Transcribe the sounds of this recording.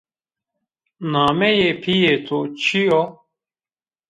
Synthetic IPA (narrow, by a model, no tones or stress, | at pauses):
naːmejepʰijet̪ʰot͡ɕʰiɔ